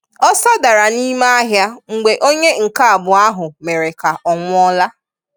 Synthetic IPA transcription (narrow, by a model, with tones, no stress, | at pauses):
ɔ˦sɔ˦da˨ɾa˨ni˦ma˦ɦja˦ŋ͡m̩˨ɡ͡be˨ʔo˦ɲe˦ŋ̩˨ka˦a˨bʊ˨a˦ɦʊ˨me˨ɾe˨ka˨ʔɔ˨ŋʷʊ˦ɔ˦la˦